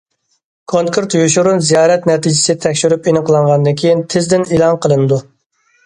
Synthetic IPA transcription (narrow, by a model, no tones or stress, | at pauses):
kʰoŋkʰɨɾt̪joʃuɾunzijɑːɾɛt̪nɛt̪ʰid͡ʒɪsɪt̪ʰɛkʲʃyɾypenɨqʰəlˠɑɴʁɑnd̪ɨnkʲʰejɪnt̪ʰɪzd̪ɪnelˠɑnqʰəlˠɨnɨd̪u